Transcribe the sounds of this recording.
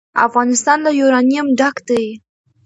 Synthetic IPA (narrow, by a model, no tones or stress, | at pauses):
a̰fɣɑnɪst̪ɑnlajoɾɑnijamɖakd̪aj